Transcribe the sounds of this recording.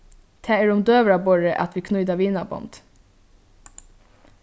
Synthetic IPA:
t̪ʰɛːɛɾʊmd̪øːʋɾabɔɹəʔa̰t̪ʋikʰnɔʏd̪aʋiːnabɔ̰nd̪̥

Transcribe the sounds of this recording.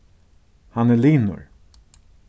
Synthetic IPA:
hanɛliːnʊ̰ɹ

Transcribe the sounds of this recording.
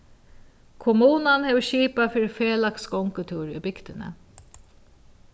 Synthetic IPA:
kʰʊmuːnanhɛːʋəʃiːpafiːɾɪfeːlakskɔŋkət̪ʰuːɹʏ̰bɪkt̪ɪnə̰

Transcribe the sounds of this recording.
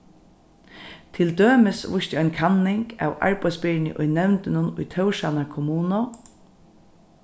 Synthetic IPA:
t̪ʰɪld̪øːmɪsʋʊʃt̪ɪɔjnkʰanːɪŋka̰ːwa̰ɹpœjsbpɪɹnɪ̰ʔʊ̰jnɛwnt̪ɪnʊnʊ̰jt̪ʰœwʃanakʰʊmuːno

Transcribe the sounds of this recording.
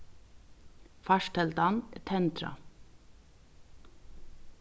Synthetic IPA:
fɑʃʈɛlt̪ɑnt̪ʰɛnt̪ɾɑ̰

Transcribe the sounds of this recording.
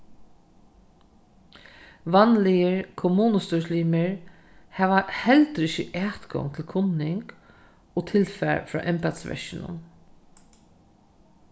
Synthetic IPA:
ʋanlɪjəɹkʰʊmuːnəst̪ɔsliːmɪɹ | hæːʋahɛlt̪ɾɪʃəʔæːt̪ɡɔ̰ŋt̪ʰɪlkʰʊnːɪŋk | ɔːt̪ʰɪlfæ̰ɹfɾɔ̰ːʔɛmpɛd̪sʋɛ̰ɹʃɪnʊ̰n

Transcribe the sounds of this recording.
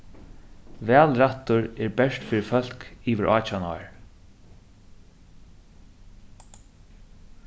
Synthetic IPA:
vɛːlɾaht̪ʊɹɛːɹbɛʂt̪fiːɾɪfœl̥kiːʋɪɹʔaːt͡ʃana̰ɹ

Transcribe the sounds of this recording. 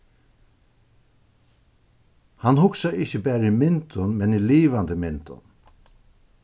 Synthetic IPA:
hanhʊksaɪçəbæːɾəimɪnt̪ʊnmɛniliːʋant̪ɪmɪnt̪ʊ̰n

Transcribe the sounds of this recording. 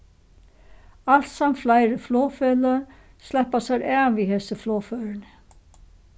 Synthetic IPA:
al̥t̪samflaːjɾɪflɔːfɛla | slɛhpasaɾɛːviɦɛsɪflɔːfœːɾɪnɪ

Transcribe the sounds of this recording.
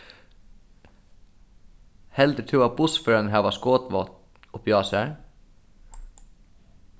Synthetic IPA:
hɛld̪ɾt̪ʰʉːɑbʊsføɾənɦæːʋɑskoːt̪ʋɑt̪ | ɔpʰjɑːsæɾ

